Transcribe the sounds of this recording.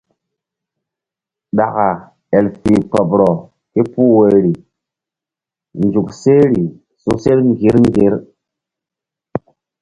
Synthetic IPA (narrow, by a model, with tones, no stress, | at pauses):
ɗa˨ka˨ | e˨lfi˨k͡pə˨pɾo˨ | ki˦pu˦we˨ɾi˨ | nd͡ʒu˨kse˦ɾi˨ | su˨se˦ɾŋ˨ɡi˨˦ɾŋ˦ɡi˦ɾ